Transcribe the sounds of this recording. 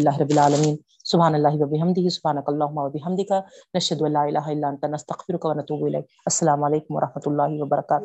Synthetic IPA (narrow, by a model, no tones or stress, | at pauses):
ɪlːaːɦɪɾɑbːɪlʕaːlɐmiːn | sʊbɦaːnɐlːaːɦɪwɐbɪɦɐmd̪ɪɦisʊbhaːnɐkaɐlˤːaːɦʊmːaːwɐbɪɦɐmd̪ɪkanɐʃhɐd̪uʔɐnlːaːʔɪlʔaːɦaɪlːaːʔɐnt̪anɐst̪ɐɣfɪɾʊkawɐnɐt̪uːbuɪlḛjk̚ | ɐsːɐlaːmʊʕaleːkʊmwɐ̰ɾˤʔɑħmɐt̪lˤːaːɦiwɐbɐɾˤɑkaːt̪ʊ